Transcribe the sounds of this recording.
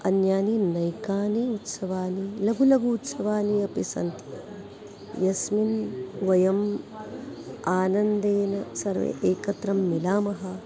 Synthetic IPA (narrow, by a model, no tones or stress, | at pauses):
ɐnjaːninɐjkaːniut̪sɐʋaːnilɐɡulɐɡuːt̪sɐʋaːniɐpisɐ̰nt̪i̥ | jɐsminʋɐjɐm | aːnɐnd̪eːnɐsɐɾʋḛʔeːkɐt̪ɾɐmːilaːmɐɦɐ